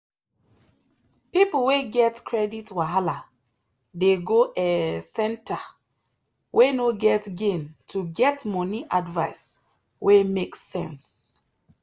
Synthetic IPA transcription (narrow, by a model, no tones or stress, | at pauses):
pipl̩weɡɛtkʰɹɛditwaɦala | deɡoʔɛsɛ̃nta | wʔenoɡɛtɡẽntʰuɡɛtmɔniʔadvaɪs | wemeksɛ̰̃ns